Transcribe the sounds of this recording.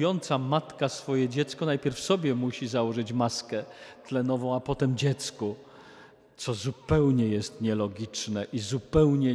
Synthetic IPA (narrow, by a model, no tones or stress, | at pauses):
jɔnt̪samat̪kasfɔjɛd͡ʑɛt̪skɔnajpʲjɛɾfsɔbʲjɛmuɕizawɔʐɘt͡ɕmaskɛt̪lɛnɔvɔ̃w̃apɔt̪ɛmd͡ʑɛt̪sku | t̪sɔzupɛwɲɛjɛst̪ɲɛlɔɡʲit͡ʂnɛʔizupɛwɲɛ